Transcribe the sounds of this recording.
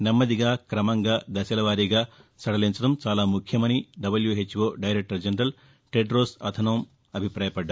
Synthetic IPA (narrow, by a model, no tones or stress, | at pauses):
nɐmːɐd̪iɡaːkɾɐmɐŋɡaːd̪ɐsɐlɐʋaːɾiɡaːsɐɽɐliɲt͡ʃɐʈɐmt͡ʃaːlaːmukʰjɐmɐniɖɐbɐljuɦet͡ʃːʋoːɖɐjɾek̚ʈɐɾd͡ʒenɾɐl | ʈeɖɾoːsɐ̰d̪ʰʱɐnɐʋɐm | ɐbʱipɾaːjɐpɐɖːa